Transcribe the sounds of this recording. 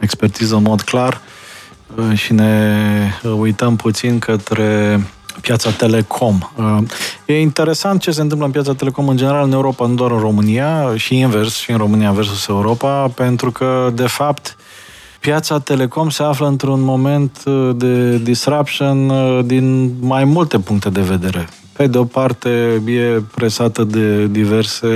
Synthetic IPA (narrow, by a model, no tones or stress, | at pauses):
ekspert̪izəɨnmo̞d̪klar | ʃine̞ | ujt̪əmput̪sinkʰət̪ɾe̞ | pjat̪sat̪e̞le̞kʰo̞məje̞int̪e̞ɾe̞sant̪̚t͡ʃe̞s̬ent̪ɨmp̬ləɨnp̬jat̪sat̪ele̞ko̞mɨnd͡ʒene̞ɾalɨne̞uɾo̞panud̪oaɾɨnro̞mɨnijaʃiːnversʃiɨnro̞mɨnijave̞rs̬use̞uɾo̞pape̞nt̪ɾukʰəd̪e̞fapt̪ | pjat̪sat̪e̞le̞ko̞mse̞afləɨnt̪ɾunmo̞me̞nt̪d̪e̞d̪isɾapt͡ʃond̪inmajmult̪e̞puŋk̚t̪e̞d̪e̞ve̞d̪e̞ɾe̞ | pe̞d̪eo̞part̪e̞je̞pɾe̞sat̪əd̪e̞d̪ive̞rse̞